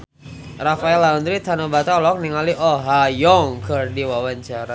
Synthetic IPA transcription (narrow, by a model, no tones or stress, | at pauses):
rafaɛlaund̪ɾit̪anobat̪alɔk̚niŋaliʔɔɦajɔŋkɨrdiwawaɲt͡ʃaɾa